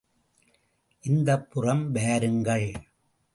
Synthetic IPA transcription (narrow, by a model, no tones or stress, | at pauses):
ʔɪnd̪ɐpːʊrɐmʋeːɐɾɯŋɡɐɭ